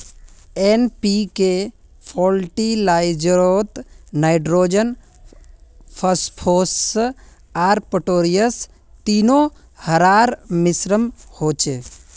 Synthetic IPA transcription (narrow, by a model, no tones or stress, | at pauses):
enpike | pʰɔːlʈilaɪd͡ʒɾot̪naɪɖɾoːd͡ʒən | pʰəspʰos | aːɾpəʈoːɾijəs | t̪iːno | həɾaːɾmɪsɾəmhoːt͡ʃe